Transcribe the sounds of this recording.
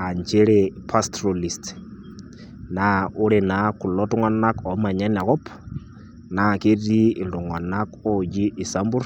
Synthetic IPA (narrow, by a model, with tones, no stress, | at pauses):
a˨ɲt͡ʃe˦ɺepʰa˦stʰɾoli˨st | na˨u˦ɺɛ˨na˨ku˨lɔ˦tŋwa˦na˦kɔ˨˦ma˨ɲɛ˦na˨kɔ˦p | na˨ke˦di˦ɪ˨ndɔ˨ŋwa˨na˦kɔ˦d͡ʒi˦ʔːsa˦mbu˦ɾ